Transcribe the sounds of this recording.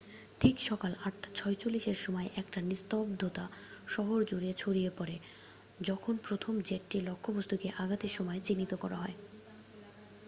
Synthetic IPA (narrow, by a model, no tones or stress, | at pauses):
ʈʰikʃɔkalaʈt͡ɕʰɔet͡ɕolːiʃeɾʃɔmɔeʔɛkʈanist̪obd̪ʱot̪aʃɔɦoɾd͡ʑoɾiet͡ɕʰoɽijepɔɾe | d͡ʑɔkʰonpɾot̪ʰomd͡ʑeʈːilokʰːobost̪ʰukeʔaɡat̪eʃɔmɔet͡ɕinːit̪okɔ̰ɾa̰ɦɔe